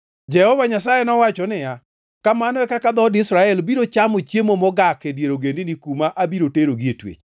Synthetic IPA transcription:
d͡ʒɛhɔvaɲas̬ajenɔwat͡ʃɔnɪja | kamanɔɛkakad̪ɔdɪsɾaɛlbiɾot͡ʃamot͡ʃjemomɔɡakɛdjeɾoɡendɪnikumaʔabiɾoteɾoɡietwḛt͡ʃ

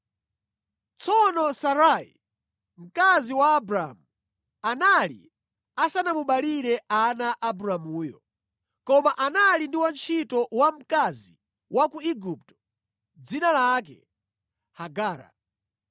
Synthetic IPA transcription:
t͡sʰɔnɔsaɾaḭ | m̩kaziwaːbɾamu | analḭ | asanamuɓaliɾɛʔanaʔabuɾamuːjɔ̰ | kɔmaʔanalindiwant͡ʃʰitɔwam̩kazi | wakuiɡup̚tɔ̥ | d͡zinalak̬ɛ̰ | haɡaːɾa̰

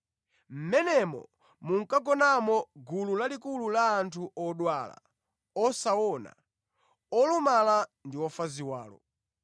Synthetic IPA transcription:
m̩mɛnɛmɔ̰ | muŋ̩kaɡɔnamɔɡululalikululaːntʰuʔɔɗwala̰ | ɔsawɔna̰ | ɔlumalandiwɔfaziwaːlɔ̰

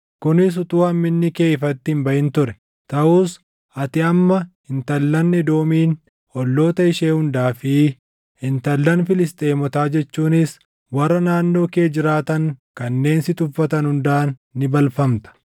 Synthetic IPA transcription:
kʊnɪs̬ʊt̪ʼuːɐmmɪnːɪkeːfɐt̪ːɪhɪmbɐʔɪnt̪ʊɾɛ | t̪ɐʔuːs | ɐt̪ɪɐmːɐhɪnt̪ɐlːɐnːɛd̪oːmiːn | ɔlːo̞ːt̪ɐɪʃeːhʊnd̪aːfɪ | hɪnt̪ɐlːɐnfɪlɪst̪ʼe̞ːmɔt̪aːd͡ʒɛt͡ʃːuːnɪs | wɐrːɐnaːnːo̞ːke̞ːd͡ʒɪɾaːt̪ɐŋkɐnːe̞ːnsɪt̪ʊfːɐt̪ɐnhʊnd̪aːnːɪbɐlfɐmt̪ɐ̥

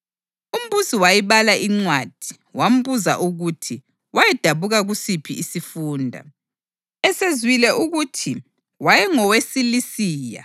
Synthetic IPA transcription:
um̩busiwajiβalaʔiŋ͡ǀwad̥ʱi | wam̩βuza̰ʔuɣutʰi | wajɛd̥ʱaβuɣaɣusipʰiisifuːndʱa̰ | ɛsezwilɛʔuɣutʰi | wajɛŋɔwesilisiːja̰

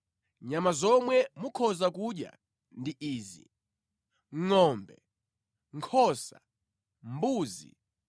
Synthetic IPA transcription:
ɲamazɔmwɛmukʰɔzakuɗja̰ | ndiʔiːzḭ | ŋ̩ŋɔːmbɛ | ŋkʰɔːsa̰ | mbuːzḭ

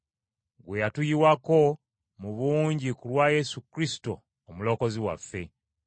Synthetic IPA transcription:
ɡwe̞jatujiwako̞ | muβuːɲɟikulwaːje̞sukɾisi̥to̞̰ː | mulo̞ko̞ziwa̰fːe̞

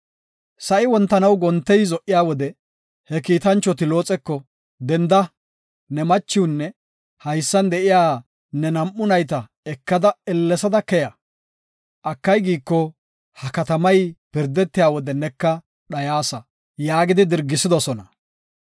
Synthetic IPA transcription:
sɐʔɪwɔnt̪ːɐnɐwɡɔnt̪ːɛjzɔʔːɪjaːwɔd̪ɛ | hɛkiːt̪ɐnt͡ʃːɔt̪ɪlo̞ːt͡sʼɛkːɔ | d̪ɛnd̪ɐ | nɛmɐt͡ʃːɪwnːɛ | hɐjsːɐnd̪ɛʔɪjaː | nɛnɐmʔʊnɐjt̪ɐ | ɛkːɐd̪ɐɛlːɛsɐd̪ɐkɛjɐ | ʔɐkːɐjɡiːkːɔ | hɐkɐt̪ɐmɐjpɪɾd̪ɛt̪ːɪjaːwɔd̪ɛnɛkːɐ | ɗɐjaːsɐ | jaːɡɪd̪ɪd̪ɪɾɡːɪsɪd̪ɔsɔnɐ

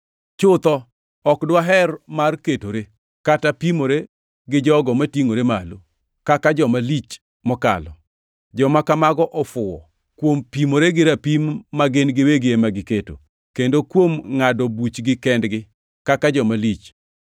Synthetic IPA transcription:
t͡ʃʊt̪ɔ | ɔkdwaɦɛrmarketoɾe | katapimoɾe | ɡɪd͡ʒɔɡɔmatiŋoɾemalo | kakad͡ʒɔmalit͡ʃ | mɔka̰lɔ | d͡ʒɔmakamaɡɔʔɔfʊwɔ̰ | kwompimoɾeɡɪɾapimːaɡɪnɡɪweɡemaɡɪketo̰ | kendokwomŋadɔbut͡ʃɡɪkɛndɡɪ | kakad͡ʒɔmalit͡ʃ

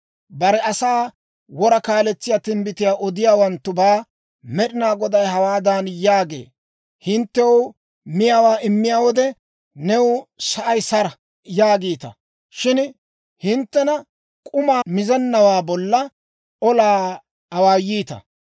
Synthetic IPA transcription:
bɐɾɛɐsaː | wɔɾɐkaːlɛt͡sːɪjaːt̪ɪmbɪt̪ɪjaːʔɔd̪ɪjaːwɐnt̪ːʊbaː | mɛɗɪnaːɡɔd̪ɐjɦɐwaːd̪aːnjaːɡḛː | hɪnt̪ːɛwʊ | mɪjaːwaːʔɪmːɪjaːwɔd̪ɛ | nɛwʊsɐʔɐjsɐɾɐ | jaːɡiːt̪ɐ̰ | ʃɪn | hɪnt̪ːɛnɐ | kʼʊmaːmɪzɛnːɐwaːbɔlːɐ | ɔlaː | ɐwaːjiːt̪ɐ̰

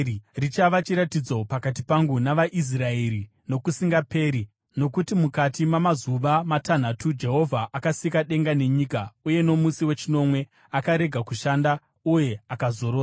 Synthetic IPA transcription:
rit͡ʃaʋat͡ʃiɾatid͡zo̞pakatipaŋɡunaʋaʔis̬raeɾi | no̞kusiŋɡape̞ːɾi | no̞kutimukatimamazuʋamatan̤atud͡ʒe̞ɦo̞vʱaʔakasikaɗe̞ŋɡane̞ɲiːkauje̞no̞musiwe̞t͡ʃino̞mwe̞ | akaɾe̞ɡʱakuʃanda | uje̞akazo̞ɾoːa

